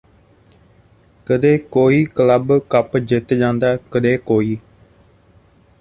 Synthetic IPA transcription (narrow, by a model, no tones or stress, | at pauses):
kəd̪eːkoːiːkələbkəpd͡ʒɪt̪d͡ʒãːnd̪aːkəd̪eːkoːiː